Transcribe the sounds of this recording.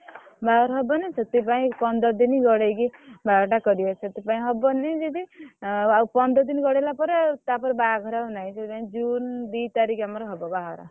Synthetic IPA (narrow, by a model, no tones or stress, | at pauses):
baɦɔɾɦɔbɔnesʌt̪ip̬aĩpʌnd̪ɔd̪iniɡɔɽejkibaɡʈakʌɾijɔsʰʌt̪ipaĩɦʌbɔned͡ʒed̪i | aupʌnd̪ɔd̪inɡɔɽelapɔɾt̪apɔɾbaɡʱɾaɦunaj̃sʰʌt̪ipaĩd͡ʒund̪it̪aɾikamʌɾɦɔbɔbaɦɔɾa̰